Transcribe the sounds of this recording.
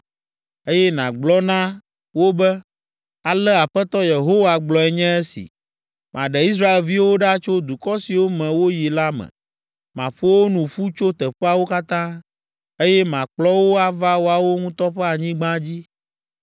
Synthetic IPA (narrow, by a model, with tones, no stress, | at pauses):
e˦jɛ˦nã˨ɡ͡blɔ˦nã˦ | wo˦bɛ˦ | a˨lɛ˦a˨ɸɛ˦t̪ɔ˦je˨ɦo˦wa˨ɡ͡blɔ˨ɛ˨ɲɛ̃˦ɛ˦sḭ˨ | mʔã˨ɖɛ˨i˦s̬ɾa˦e˨lvi˦wo˦ɖa˦t͡ʃo˦d̪u˨kɔ˦si˨wo˦mɛ̃˨wo˦ji˨la˦mɛ̰̃˨ | mã̰˨ɸo˦wo˦nũ˨ɸu˦t͡ʃo˦t̪ɛ˨ɸɛ˦a˨wo˦ka˦t̪ã˦ | e˦jɛ˦mã˨k͡plɔ˦wo˦a˨va˦wo˦a˨wo˦ŋũ˦t̪ɔ˦ɸɛ˦a˨ɲĩ˦ɡ͡bã˦d͡ʑi˦